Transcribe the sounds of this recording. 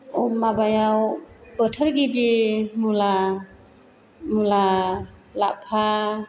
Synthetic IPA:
ɔmabajawbətʰəɾɡibimula | mula | lapʰa

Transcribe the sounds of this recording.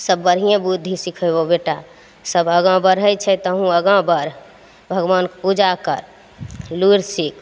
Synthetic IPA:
səbːəɾɦijẽbud̪ʱisikʰəbobeʈa | səbəɡãbəɾɦəjt͡ʃʰɛt̪əɦũəɡãbəɾ | bʱəɡʋankpud͡ʒakə̰ɾ | luɾsik

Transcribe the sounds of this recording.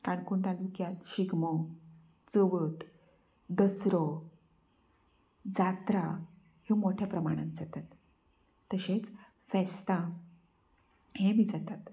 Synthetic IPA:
kaɳkuɳʈ̪alukjat̪ɕiɡmɔ | d͡zəʋət̪ | d̪əsɾɔ | d͡zat̪ɾa | himoʈʰjapɾəmaɽ̃ãnt̪d͡zat̪at̪ː | əɕet͡s | fɛst̪a | hẽmiːd͡zat̪at̪

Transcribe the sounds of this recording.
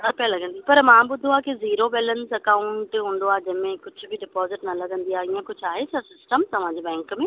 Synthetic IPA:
apijalɐɡʱə̃nd̪iapɐɾmãːbʊd̪ʱũaːkiziːɾobɛːlənsɐkaːʊɳʈɦũːn̆d̪oaːd͡ʑɐ̃ɦmẽkʊd͡ʑʱʊbʱɪɖɪpɔːzɪʈnɐlɐɡʱə̃nd̪iaːɦiːə̃kʊd͡ʑʱaːɦesʰɐsɪsʈəmt̪ɐʋ̤ãːɲd͡ʑebɛ̃ːŋkmẽ

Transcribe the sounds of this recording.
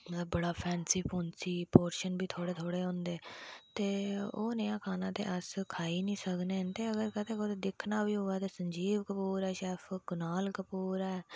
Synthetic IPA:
mələbːəɽaːpʰɛːnsiːpʰoːnsiːpoːɾʃənbʱiːt̪ʰoːɽeːt̪ʰoːɽeːɦõnd̪eːt̪eːo̰ːnejãːkʰaːnãːt̪ḛːʔəskʰaːiːnĩːsəkneːt̪eːəɡəɾkət̪eːkoːt̪eːd̪ɪkʰnaːbiːɦoːaːt̪eːsəɲd͡ʒiːʋkəpuːɾɛːʃɛːpʰɡʊnaːlkəpuːɾɛː

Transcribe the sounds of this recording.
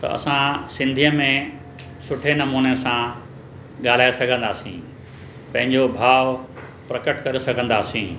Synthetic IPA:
t̪ɐ̰ɐ̰sãsɪ̃nd̪ʱijəmẽ | sʊʈʰenɐmuːnesã | ɠaːl̤aːesɐɡʱə̃nd̪aːsḭ̃ | pɐ̃ɦɪ̃ɲd͡ʑobʱaːʋ | pɾɐkəʈkɐɾesɐɡʱə̃n̆d̪aːsĩː

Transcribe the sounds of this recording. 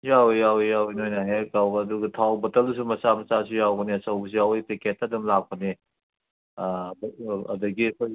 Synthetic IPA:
jawjawijawijnojnaɦekawɐduɡɐtʰawbɐtɐls̬umɐsamɐsasijawɡɐneɐsɐwbɐs̬iawjpʰeketːɐdumlak̚pɐne | bɐ̰dɐɡiɐkʰoj

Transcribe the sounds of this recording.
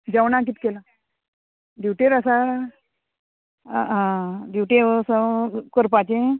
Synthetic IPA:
d͡ʑawnãk̬it̪kela | d̪iwʈeɾəsa | ãd̪iwʈeosakəɾpat͡ɕẽ

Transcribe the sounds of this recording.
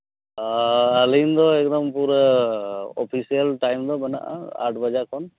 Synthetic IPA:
alind̪ɔɛk̚d̪ɔmpuɾ | ɔpʰisijəlʈajmd̪ɔbɛna̰ʔa̰a̰ɾʈbad͡ʒakʰɔn

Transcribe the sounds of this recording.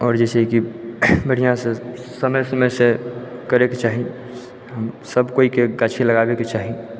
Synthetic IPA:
ɔːɾd͡ʒɛseikimeɽijãsẽsəməjsəmsekəɾeket͡ʃaːɦi | ɦəmsəbkoikeɡat͡ʃʰiləɡabeket͡ʃaːɦi

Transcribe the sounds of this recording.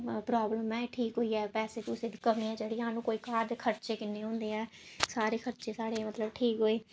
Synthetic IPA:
pɾaːbləmɛːʈʰiːkɦoːiːɛːpɛːseːt̪ʊseːd̪iːkəmĩːɛ̃ːd͡ʒeːɽiːɦãːnũːkoːiːkaːd̪eːkʰəɾt͡ʃeːkɪnːeːɦõːnd̪eːɛː | saːɾeːkʰəɾt͡ʃeːsaːɽeːmət̪ləbʈʰiːkɦoːiː

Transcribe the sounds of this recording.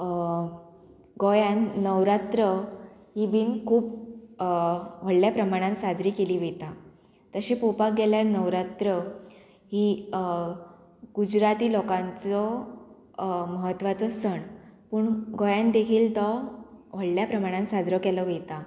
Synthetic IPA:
ɡɔjãnːəʋɾat̪ɾə | ɦibiːnkʰuːp | ʋ̤əɽljapɾəmaɽ̃ãnsad͡zɾiːkeliːʋet̪a | t̪əɕepopak̚ɡɛljaɾnəʋɾat̪ɾə | ɦiː | ɡud͡ʑɾat̪iːlɔkãnt͡sɔ | məɦət̪ːʋat͡səsəɳpuːɳɡɔjãnd̪ekʰiːlt̪ɔʋ̤əɽljapɾəmaɽ̃ãnsad͡zɾəkɛləʋet̪a

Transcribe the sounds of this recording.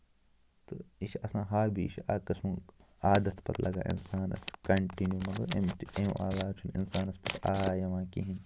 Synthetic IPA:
t̪ɨiʃɐsãːɦaːɾbʱiiʃʰaːkɐsmu | aːd̪ɐt̪pɐt̪lʔɐɡa̰ːʔḭnsaːnɐ̰skɐɳʈinjuːmɐd̪ɐemt̪em̰ʔaːlaːt͡ʃʰunḭnsaːnɐspɐt̪ʰaːjɐʋãːkiɦin

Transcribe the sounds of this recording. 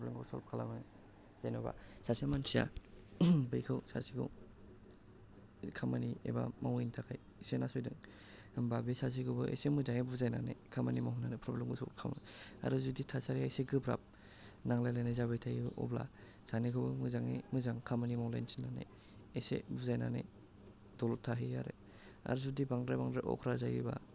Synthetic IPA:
pɾɔblemɡɔwsɔlp̚kʰala̰mɯ | z̥ajnɔba̰sasemansija̰ | bɯjkʰɯwsa̰siɡʰɯ̰w | kʰamaniḛba̰mawintʰakʰaj | senasɔjdɯŋ | ɯmbabisas̬ikʰɯbɯʔḛjsemɯdajebuzajnanḛkʰamanimaɦunanepʰɾɔblemɡusɔ̰kʰamaa̰ɾuzuditʰasaɾiajseɡɯbɾa̰p̚ | naŋlajlajnazabajtʰajiʔɔ̰bla̰ | sanikʰɯbɯmɯzaŋimɯzaŋkʰamanimawlajnsinːane | esḛbuzajna̰nḛ | dɔlɔtʰːaɦiaɾe | a̰ɾuzudibaŋdɾabaŋdɾaʔɔ̰kʰɾazajiba̰

